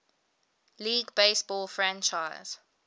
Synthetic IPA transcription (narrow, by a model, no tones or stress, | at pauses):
liːɡbeɪsb̥ɔːlfɹãnt͡ʃaɪz̥